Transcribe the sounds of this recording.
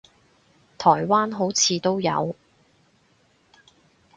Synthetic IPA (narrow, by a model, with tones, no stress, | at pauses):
t̪ʰɔː˨˩jwaː˥nɦo˨˥wt͡sʰiː˨˧t̪o˥wjɐ̰˨˧w